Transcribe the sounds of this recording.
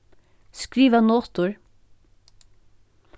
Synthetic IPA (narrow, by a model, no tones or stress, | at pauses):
skɾiːʋanoːt̪ʊɹ